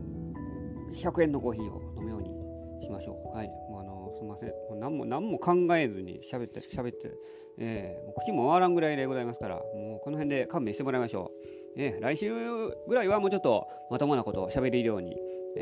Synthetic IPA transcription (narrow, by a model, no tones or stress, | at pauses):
çʲakɯ̟ẽ̞nːo̞ko̞ːçiːo̰no̞mɯjo̞ːɲ̟ḭ | ɕimaɕo̞̰ːhaimoanosomːasḛ̃moːnãmːo̞̰nãmːo̞kʰãŋɡae̞zɨɲ̟ḭɕabe̞t̪ːeɕabe̞t̪ːḛ | eːmoːkɯ̥t͡ɕimːo̞aβaɾãŋɡɯɾaid̪eɡo̞zaimasɨ̥kaɾa̰moːko̞no̞ɦẽ̞nd̪e̞kãmːẽ̞ːɕi̥t̪emoɾaimaɕo̞̰ː | eɾaiɕɨːɡɯɾaiβamoːt͡ɕot̪ːo̞ | mat̪omonako̞t̪oɕabe̞ɾiiɾɯ̟jo̞ːɲ̟ḭ